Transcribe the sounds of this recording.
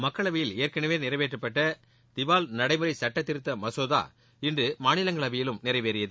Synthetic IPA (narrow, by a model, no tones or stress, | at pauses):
mɐkːɐɭɐʋɪjɪleːɾkɐnɐʋeːnɪɾɐɪʋeːʈrɯpːɐʈːɐ | d̪̥ɪʋaːlnɐɽɐɪmɯɾɐɪsɐʈːɐt̪ːɪɾɯt̪ːɐmɐsoːða̰ː | ɪndrɯmaːnɪlɐŋɡɐɭɐʋɪjɪlɯmnɪɾɐɪʋeːɾɪjɐðɯ